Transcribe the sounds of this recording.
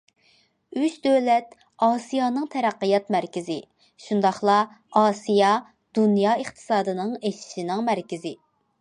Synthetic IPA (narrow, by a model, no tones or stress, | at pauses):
yt͡ʃd̪øwlɛt̪ | ɑːsijɑːnɨŋt̪ʰɛɾæqːijɑt̪mæɾkʲɪzɪ | ʃund̪ɑχlˠɑ | ɑːsijɑ | d̪̥unjɑəχt̪ʰɨ̥sɑːd̪ɨnɨŋeʃi̥ʃinɪŋmæɾkʲɪzɪ